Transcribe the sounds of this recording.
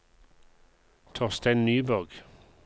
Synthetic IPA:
t̪ʰɔʁst̪æɪnnyːbɔʁɡ̥

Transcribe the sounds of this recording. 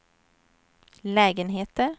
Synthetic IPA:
lɛːɡənɦeːt̪ə

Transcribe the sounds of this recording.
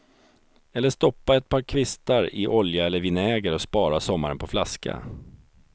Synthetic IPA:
ɛlːəʂt̪ɔpːaɛt̪̚pʰɑːɾkʰvɪst̪aɾɪʔɔljaɛlːəɾvɪnɛːɡəɾɔspɑːɾasɔmːaɾənpʰɔflaskʰa̰

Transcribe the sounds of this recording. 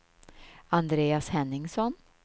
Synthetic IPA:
and̪ɾeːashɛnːɪŋsɔn

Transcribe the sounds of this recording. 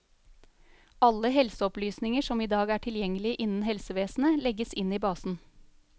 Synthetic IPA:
ɑlːəɦɛlsəɔplyːsnɪŋəʂɔmiːd̪ɑːɡæʈʰɪljɛŋəlɪʔɪnn̩ɦɛlsəʋeːsn̩əlɛɡəsɪniːbɑːsn̩

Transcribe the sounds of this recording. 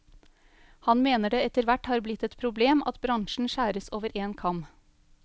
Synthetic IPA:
hɑnmeːnəɖeːɛt̪əɾʋæʈhɑːɾblɪt̪ɛt̪pʰɾʊbleːmɑ̰t̪bɾɑŋʃɳ̩ʃæːɾəsoːʋəɾʔeːnkʰɑm

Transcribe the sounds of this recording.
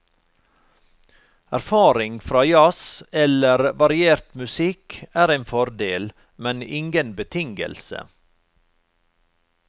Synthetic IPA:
æɾfɑːɾɪŋfɾɑːjɑsɛləɾʋɑɾɪeːɾt̪mʉsɪkæːɾæɪnfɔɾd̪eːl | mɛnɪŋɡənbət̪ʰɪŋɡə̰lsə̰

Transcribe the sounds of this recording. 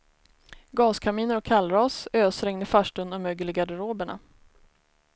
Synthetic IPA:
ɡɑːskʰamiːnəɾɔkʰːalɾɑːsøːsɾɛŋnəfaʂʈɵnɔmøːɡəlɪɡad̪əɾoːbəɳa̰

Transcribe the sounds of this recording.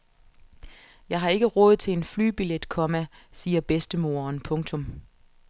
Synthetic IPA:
jɑ̈ɪɦɑ̈e̝ɡ̥əʁɔ̽ːð̞̩ˠt͡sʰe̝e̝nfly̰ːb̥iled̥kʰɒ̽mæsiːɐb̥esd̥əmo̝̰ːɐːnpʰɔ̽ŋt͡sʰɔ̽m

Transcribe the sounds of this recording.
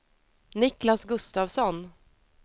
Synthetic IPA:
nɪklasɡɵst̪aːvsɔn

